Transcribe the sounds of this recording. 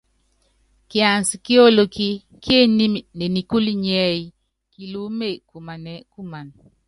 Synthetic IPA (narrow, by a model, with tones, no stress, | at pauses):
ki˨a˨nsi˨ki˦o˦lo˨ki˦ | kje˦ni˦m˨ne˨ni˨ku˦li˦ɲɛ˦i˨ | ki˨lu˦me˦˨ku˨ma˨ne˨ku˦ma˨n